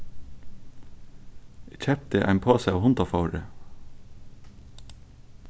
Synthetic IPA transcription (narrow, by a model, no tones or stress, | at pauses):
ec͡çʰɛp̚t̪əʔæ̰ɪmpʰoːsæɪɑːʋhʊnt̪ɑfɑʊɹə̰